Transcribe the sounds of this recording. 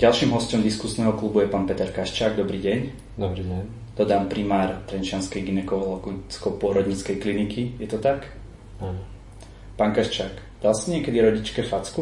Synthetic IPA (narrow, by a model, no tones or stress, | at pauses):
ɟalˠʃimɦɔscɔmd̪iskusnɛːɦɔklubujɛpaːnpɛt̪ɛɾkaʃt͡ʃaːɡd̪ɔbɾiːɟɛɲ | d̪ɔbɾiɟɛɲ | d̪ɔd̪aːmpɾimaːɾt̪ɾɛnt͡ʃɪanskɛjɡinɛkɔlɔɡit͡skɔpʊɔɾɔd̪ɲit͡skɛjklinikʰijɛt̪ɔt̪ak | aːnɔ | paːŋkaʃt͡ʃaːk | d̪̥alsiɲɪɛkɛd̪iɾɔɟit͡ʃkɛfat͡sku